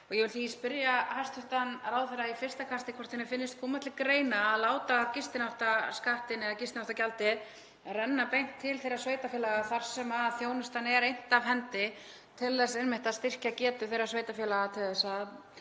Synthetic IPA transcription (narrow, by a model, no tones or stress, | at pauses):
ɔɣjɛvɪlθispɪɾjaɦast̪ʏht̪anraːwθerːaifɪ̥st̪akʰast̪ɪkʰvɔr̥t̪θɛnɪɾfɪnːɪst̪kʰɔːmat̪lɪkɾeːjnaːðlaːwt̪aːvcɪst̪ɪnawht̪askaht̪ɪnɛðacɪst̪nawht̪acalt̪ɪð | rɛnːapejŋ̥t̪ʰːɪlθejɾasveːjt̪afjɛːlaɣaθaɾ̥sɛmaðθjoːwnʏst̪anɛɾejn̥t̪avɦɛnt̪ɪ | t̪ʰɪlːasenmɪht̪aðst̪ɪr̥cacɛːt̪ʏθejɾasveːjt̪afjɛlaɣat̪ʰɪðɛsa